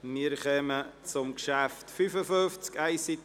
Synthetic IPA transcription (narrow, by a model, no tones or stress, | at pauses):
miəɾχɛmət͡sʊmkʃæftfyfəføft͡skæɪsit